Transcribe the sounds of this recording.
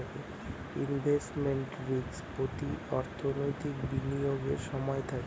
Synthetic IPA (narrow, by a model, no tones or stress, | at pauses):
ke | inbʱesʈmeɳʈɾikspɾot̪iɔɾt̪ʰonojt̪ikbinioɡeɾʃɔmɔet̪ʰake